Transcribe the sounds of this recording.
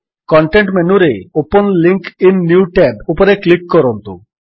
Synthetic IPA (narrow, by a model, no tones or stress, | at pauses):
kɔɳʈeɳʈmenuɾeoponliŋkinːjuwʈɛbupoɾeklikːɔɾont̪ṵ